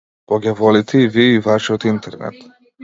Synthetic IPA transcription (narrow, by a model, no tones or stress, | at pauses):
pɔɡʲɛvɔlit̪ʰɛiviivaʃiɔt̪int̪ɛɾnɛ̰t̪